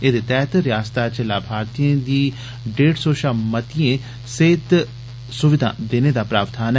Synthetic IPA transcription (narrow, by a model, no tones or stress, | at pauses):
eːd̪eːt̪ɛːt̪ɾɪjaːst̪aːt͡ʃəlaːbʱaːɾt̪ijẽd̪iː | ɖeːɖsoːʃaːmət̪iẽː | seːt̪ | sʊʋɪd̪ʱã̰ːd̪eːneːd̪aːpɾaːʋt̪ʰaːn